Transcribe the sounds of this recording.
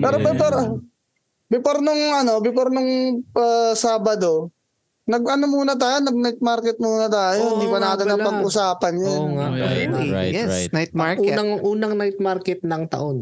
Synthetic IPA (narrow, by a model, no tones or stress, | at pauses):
pɛːɾobɛpɐɾ | bɪpɐɾnʊŋʔɐno̞bɪpɐɾnʊŋʔɐːsaːbɐd̪o̞ | nɐɡɐnomuːnɐt̪̬aːjonɐɡ̚najt̪̚maɾkɛt̪̚muːnɐt̪aːjohɪnd̪iːpɐnaːt̪ɪnːɐpɐɡʔʊsaːpɐnjana | jɛsnajt̪̚maʔuːɐŋʔuːnɐŋnajt̪̚maɾkɛt̪̚nɐŋt̪ɐ̰ʔon